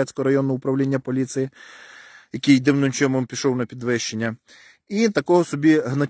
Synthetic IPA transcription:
ɛt͡sʲkɔɦɔɾɐjɔnːɔʊpɾɐwlʲinʲːɐpɔlʲit̪sɪji | jɐkijd̪ɪwnʊnʲt͡ʃʲɔmɔmpʲiʃɔwnɐpʲid̪ʋɪʃt͡ʃenʲːɐ | it̪ɐkɔɦɔsɔbʲiɦnɐ

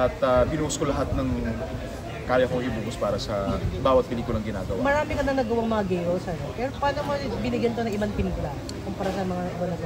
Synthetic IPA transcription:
ɐt̪ɐbɪnuːʊskolɐɦat̪̚nɐŋ | kaːjɐkojʊbuːkʊspaːɾɐsɐbaːwɐt̪̚pɪliːkʊlɐŋɡɪna̰ːɡɐwamɐɾaːmɪkɐnɐŋnɐɡɐwaŋmɐŋaɡɛjɾolsɛnpɛːɾopaːlɐmobɪnɪɡjɐnk̪oɐŋɪbaŋpɪnkʊla | kʊmpɐɾasɐmɐŋaʔɪbanɐɡ

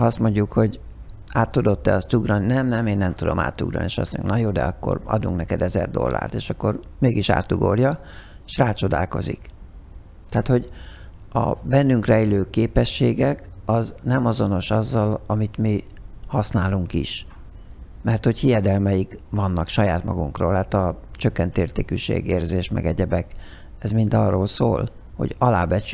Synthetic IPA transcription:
ɒɒst̪mo̞ɲɟukho̞ɟ | aːt̪ːud̪o̞t̪ːɛ̰ɒst̪uɡrɒnnɛmnɛmeːnːɛmt̪ud̪o̞̰ma̰ːt̪ːuɡrɒ̰neːʃɒ̰st̪moɲuŋknɒjoːd̪ɛ̰ɒkːo̰rɒ̰d̪uŋknɛkɛd̪ɛzɛ̰rd̪o̞̰lːa̰ːrt̪eːʃɒkːo̞rmeːɡiʃa̰ːt̪ːuɡo̞̰rjɒeʃraːt͡ʃo̞d̪a̰ːlko̞̰zḭk | t̪ɛaːt̪ho̞ɟ | ɒ̰bɛnːyŋkrɛiløːkeːpɛʃːeːɡɛkɒznɛmɒzo̞no̞ʃɒzːɒlɒmit̪mi | hɒsnaːluŋkḭʃ | mɛrt̪ho̞chijɛd̪ɛlmɛjikvɒnːɒkʃɒjaːt̪mɒ̰ɡuŋkro̰ːlaːt̪ɒt͡ʃøkːɛnt̪eːrt̪eːkyʃḛːɡeːrzeːʃmɛ̰ɡɛɟɛbɛk | ɛzmind̪ɒrːoːlso̰ːl | ho̰ɟɒlaːbɛt͡ʃ

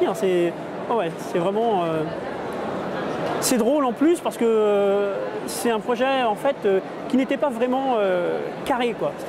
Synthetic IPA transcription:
ɛ̃sɛ | wɛwɛsɛvʁɛmɑ̃ | sɛd̪ʁolɑ̃plyspaʁsə̥kəø | sɛt̪ɛ̃pχɔʒɛɑ̃fɛt̪ø | kʲinet̪ɛpavʁɛmɑ̃økaʁekwase̥t̪

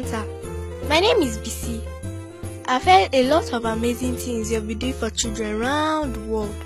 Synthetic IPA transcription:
tʰamaɪnẽmizbisi | ʔaɪfɛtelɔtʰɔvamezɪ̃ŋθɪ̃ŋsjabiduɪ̃fɔt͡ʃildɹɛ̃nɹãʊ̃ndwɔld̥

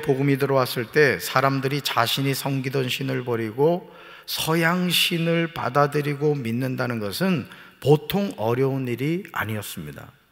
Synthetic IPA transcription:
poɡɯmidɯɾʌwas͈ɯɭt͈e̞sʰaɾamdɯɾit͡ɕaɕʰiɲisʰʌŋɡidwʌnɕʰinɯɭpʌɾiɡo | sʰʌjaŋɕʰinɯɭpa̰dadɯɾiɡominːɯndanɯnɡʌsʰɯn | potʰoŋʌɾjʌuniɾia̰ɲiʌs͈ɯmɲida̰

